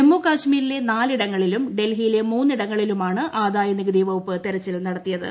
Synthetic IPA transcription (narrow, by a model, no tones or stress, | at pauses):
emːuːkaːɕmiːɾile̞naːliɽɐŋːɐɭilumɖe̞lɦijile̞muːnːiɽɐŋːɐɭilumaːɳɨʔaːd̪aːjɐniɡɐd̪iːʋɐwupːɨt̪iɾɐt͡ɕːilnɐɽɐt̪ːijɐðɨ̰